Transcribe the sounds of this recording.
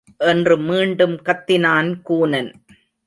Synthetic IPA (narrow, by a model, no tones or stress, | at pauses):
ʔɛndrɯmiːɳɖɯmkɐt̪ːɪnaːnkuːnɐn